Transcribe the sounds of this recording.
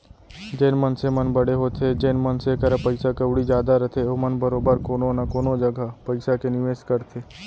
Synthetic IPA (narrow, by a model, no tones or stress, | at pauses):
d͡ʒeːnmɐnsemɐnbɐɽeɦoːt̪ʰed͡ʒenmənsekɐɾapɐɪsakɐbɽid͡ʒjaːd̪aɾɐt̪ʰeoːmɐnbɐɾoːbəɾkoːnonakoːnod͡ʒɐɡʱapɐɪsakenɪʋeːʃkɐɾt̪ʰeː